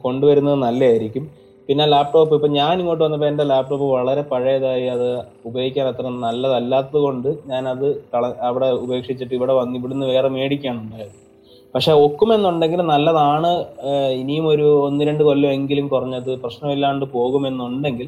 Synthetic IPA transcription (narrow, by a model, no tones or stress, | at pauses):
ko̞ɳɖuʋɐɾunːɐðɨnɐlːɐjaːjiɾikʲːum | pinːelaːp̚ʈo̞ːpːipːoɲaːniŋːo̞ːʈːɨʋɐnːɐp̬ːendelaːp̚ʈo̞ːpːɨʋɐɭɐɾe̞pɐɻɐjɐðaːjiɐðɨ | ubɐjikʲːaːnɐt̪ːrɐnɐlːɐðɐlːaːt̪ːɐðɨko̞ɳɖɨɲaːnɐðɨkɐɭɐɐʋiɽe̞ube̞ːkʂit͡ɕːiʈːiʋiɽe̞ʋɐnːiʋiɽenːɨʋe̞ːreme̞ːɽikʲːaːɳuɳɖaːjɐð | pɐkʂe̞ːo̞kːume̞nːuɳɖe̞ŋɡilumnɐlːɐðaːɳɨinijumo̞ɾuonːiɾe̞ɳɖɨkolːɐme̞ŋɡilumkurɐɲːɐðɨprɐɕnɐmilːaːɳɖɨpo̞ːɣume̞nːuɳɖe̞ŋɡil